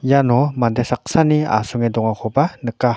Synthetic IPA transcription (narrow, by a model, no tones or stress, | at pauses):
janɔmand̪esak̚sania̰sɔŋedɔŋakʰɔbanəka